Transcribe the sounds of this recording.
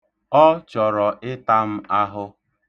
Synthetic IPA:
ɔ˦t͡ʃɔ˨ɾɔ˨ʔɪ˦ta˦m̩˦a˦ɦʊ˦

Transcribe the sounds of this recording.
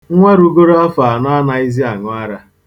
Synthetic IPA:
ŋ̩˦ŋʷe˦ɾu˦ɡo˦ɾo˦a˦fa˨a˨na˦a˦na˦i˦zi˦a˨ŋʊ˦a˦ɾa˦

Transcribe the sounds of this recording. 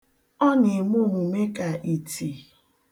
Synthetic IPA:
ɔ˦nɪ˨m˦o˦˨ɦu˨me˦ka˨ʔi˨tʰi˨

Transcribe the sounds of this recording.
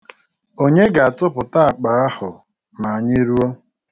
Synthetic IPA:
o˦ɲe˦ɡa˨a˨tʊ˦pʊ˨ta˦a˨k͡pa˨ɣa˦hʊ˨ | ma˨a˨ɲɪ˦ɾu˦o˦

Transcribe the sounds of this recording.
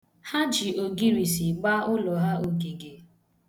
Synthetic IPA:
ha˦d͡ʒi˨o˨ɡi˦ɾi˨si˨ɡ͡ba˦ʊ˦lɔ˨ɦa˦o˨ɡi˨ɡe˨

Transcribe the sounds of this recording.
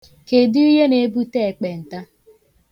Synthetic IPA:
ke˨di˦i˦ɦe˦ne˨˦bu˦te˦˨k͡pe˨n̩˨ta˦

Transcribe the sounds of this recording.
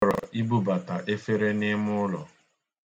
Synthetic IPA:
ɾɔ̰˨ʔi˦bu˦ba˨ta˨ʔe˦fe˦ɾe˦nɪ˦mʊ˦ʊ˦lɔ̰˨

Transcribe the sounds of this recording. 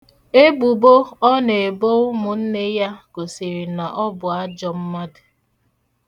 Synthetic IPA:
e˦ɡ͡bu˨bo˦ɔ˦ne˨e˨bo˦ʊ˦mʊ˨n̩˦ne˦ja˦ɡ̥o˨si˨ɾi˨na˨ʔɔ˦bʊ˨a˦d͡ʒɔ˨m̩˦ma˦dʊ˨

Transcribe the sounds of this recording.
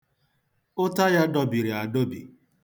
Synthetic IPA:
ʊ˦ta˦ja˦dɔ˨bi˨ɾi˨a˨do˦bḭ˨

